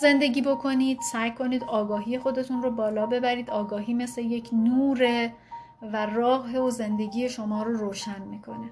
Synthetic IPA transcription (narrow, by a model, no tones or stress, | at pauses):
ze̞nd̪e̞ɡʲiːbo̞kʰo̞niːd̪̥sæjkʰo̞niːd̪ɒːɡɒːɦiːje̞xo̞d̪e̞t̪ʰunrobɒːlɒːbe̞bæɾiːd̪ɒːɡɒːɦiːme̞sle̞jecʰnuːɾe | værɒːɣɦeoze̞nd̪e̞ɡʲiːje̞ʃo̞mɒːɾoɾoːʃænmiːkʰo̞ne